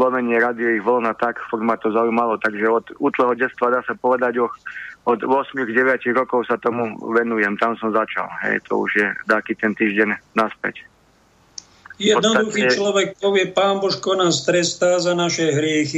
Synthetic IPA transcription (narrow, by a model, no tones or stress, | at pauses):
zlɔmɛɲɪɛɾad̪iɔiɣʋɔlnat̪akfɔɾɡmat̪ɔzaujmalɔt̪aɡʒɛɔd̪uːt̪lˠɛɦɔɟɛt͡st̪ʋad̪aːsapɔʋɛd̪aɟɔxɔd̪ʋɔsmiɣɟɛʋjaciɣɾɔkɔʊsat̪ɔmuʋɛnujɛmt̪amsɔmzat͡ʃa̰lɦɛ̰jt̪ʰɔ̰ṵʒjɛd̪akiːt̪ɛnt̪iːʒɟɛnnːaspɛ̰c | jɛd̪nɔdsd̪uxiːt͡ʃlɔʋɛkt̪ɔʋjɛpaːmbɔʃkɔnaːst̪ɾɛst̪aːzanaʃɛɦɾɪɛxi